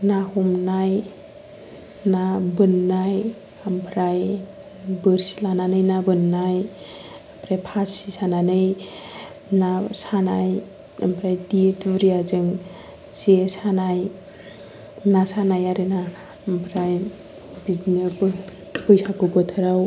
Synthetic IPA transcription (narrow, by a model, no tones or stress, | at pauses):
nahumnaj | nabɯnːaj | ampʰɾaj | bɯɾsilananɯjnabɯnːaj | ampʰɾajpʰasisananɯj | nasanaj | ampʰɾajdietɾijazɯŋ | sesanaj | nasanajaɾɯna | mpʰɾaj | bid͡ʒnɯb | pɯjsakɯbɯt̪ʰɯɾaw